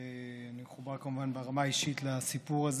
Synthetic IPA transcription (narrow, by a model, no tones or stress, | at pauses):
animeχubaʁkamuvanbeʁamaiʃitlasipuʁaz